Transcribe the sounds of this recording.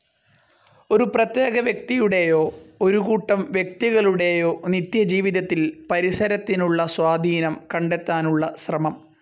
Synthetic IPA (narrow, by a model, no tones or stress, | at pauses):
o̞ɾuprɐt̪je̞ːɡɐʋjɐk̚t̪ijuɽe̞jo̞ːo̞ɾuɣuːʈːɐmʋjek̚t̪iɣɐɭuɽe̞jo̞ːnit̪jɐd͡ʑiːʋiðɐt̪ːilpɐɾisɐɾɐt̪ːinuɭːɐswaːd̪ʱiːnɐmkɐɳɖe̞t̪ːaːnuɭːɐsrɐmɐm